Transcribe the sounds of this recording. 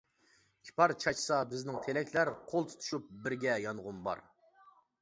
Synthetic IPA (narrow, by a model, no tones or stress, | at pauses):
kʲʰi̥pʰɑɾt͡ʃʰɑt͡ʃʰsɑbɪznɪŋt̪ʰelɛkʲʰlæɾqʰolˠt̪ʰu̥t̪ʰu̥ʃup̚bɪɾɡʲɛjɑnʁʊnbɑ̰ɾ